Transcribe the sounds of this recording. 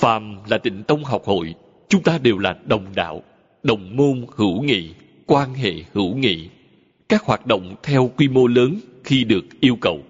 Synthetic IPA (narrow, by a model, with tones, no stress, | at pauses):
faː˨˩mlaː˨˩t̪ï˧˩ŋ̟t̪ə˧wŋ͡mɦa˨˩wk͡p̚ho̰˧˨j | t͡ɕʊ˨˦ŋ͡mt̪aː˧ɗe˨˩wlaː˨˩ɗə˨˩wŋ͡mɗa̰ː˧˨w | ɗə˨˩wŋ͡mmo˧nhɨ̰˧˥wŋḭ˧˨ | kwaː˧nɦḛ˧˨hɨ̰˧˥wŋḭ˧˨ | kaː˦˥k̚hwaː˨˩t̚ɗo̰˧˨wŋ͡mt̪ʰɛ˧wkwi˧mo˧ləː˨˦nxi˧ɗɨ˨˩ək̚ʔi˧əwkə˨˩w